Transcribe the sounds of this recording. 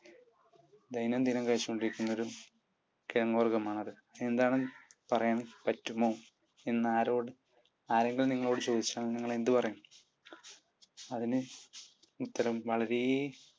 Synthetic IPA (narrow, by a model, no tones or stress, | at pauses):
d̪ɐjnɐmd̪inɐŋkaːt͡ɕːikoɳɖiɾikʲːunːɐoɾu | kiɾɐŋːoːrɡɐmaːɳɐðɨɐe̞nd̪aːɳɨpɐrɐjaːɳpɐtːumːoː | enːaːɾo̞ːɽɨ | aːɾe̞ŋɡilniŋːɐɭo̞ːɽɨt͡ɕo̞ːd̪it͡ɕːaːɳniŋːɐɭe̞nd̪ɨpɐrɐjaːɳ | ɐðinɨ | ut̪ːɐɾɐmʋɐɭɐɾej